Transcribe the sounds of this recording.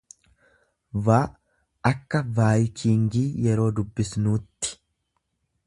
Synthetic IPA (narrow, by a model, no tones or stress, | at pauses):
vaː | ʔɐkːɐvaːjkiːŋɡiːjɛɾo̞ːd̪ʊbːɪsnuːt̪ːɪ̥